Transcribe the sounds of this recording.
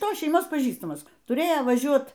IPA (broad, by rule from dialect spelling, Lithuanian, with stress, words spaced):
ˈtoːs ʃʲɛɪˈmoːs pɐˈʒʲiːstɐmɐs tʊˈrʲeːjoː ʋɐˈʒʲuɔt